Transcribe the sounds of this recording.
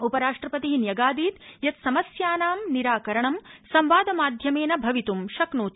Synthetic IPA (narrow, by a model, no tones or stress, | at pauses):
upɐɾaːʂʈɾɐpɐt̪iɦinjɐɡaːd̪iːt̪jɐt̪sɐmɐsjaːnaːmniɾaːkɐɾɐɳɐmsɐmʋaːd̪ɐmaːd̪ʱjɐmeːnɐbʱɐʋit̪umʃɐknuːt̪